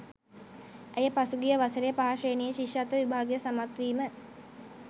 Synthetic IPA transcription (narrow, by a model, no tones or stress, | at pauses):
ejəpasuɡijəʋasəɾejəpaɦaʂeːnijəʃiʂat̪əʋibʱaːɡejəsamat̪ʋiːmə